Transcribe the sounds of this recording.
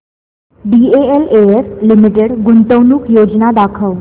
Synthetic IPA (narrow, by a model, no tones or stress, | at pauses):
ɖieeleeɾlimiʈeɽɡunt̪əʋnuːkjod͡ʑnad̪akʰəʋ